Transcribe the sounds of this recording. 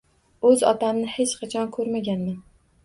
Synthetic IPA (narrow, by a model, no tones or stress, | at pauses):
ɵzɒ̰t̪ʰamnɪhe̞t͡ʃqʰɑt͡ʃʰɒnkʰɵɾmaɡʲanman